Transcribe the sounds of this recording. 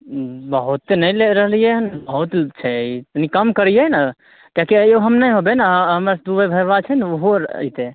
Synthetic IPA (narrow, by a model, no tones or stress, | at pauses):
bəɦut̪ːenəjleɾəɦlijɛɦnbəɦut̪t͡ʃʰɛinikəmkəɾijɛna | t̪akeoɦəmnəjɦobenaɦɦəmɾasd̪ubəbʱəbat͡ʃʰɛnoɦoɾə̰it̪e